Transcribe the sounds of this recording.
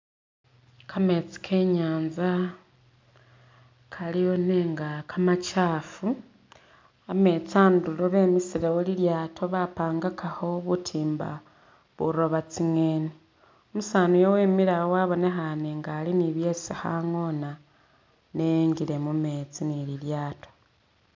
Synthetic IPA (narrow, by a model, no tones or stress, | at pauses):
kʰame̞t͡si̥kʰeɲaːnza | kʰalijo̞neŋɡakʰamat͡ʃaːfu | ame̞t͡saːnduloβe̞misilewoliljaːtʰo̞βapaːŋɡakʰaxo̞βutʰiːmba̰ | βuɾo̞βat͡siŋeːni | omusaːnujowe̞ːmiɾaowaβo̞ne̞xaneŋɡaːliniβje̞ːsiha̰ŋo̞na | nejeŋɡile̞mume̞t͡sinililjaːto̞̥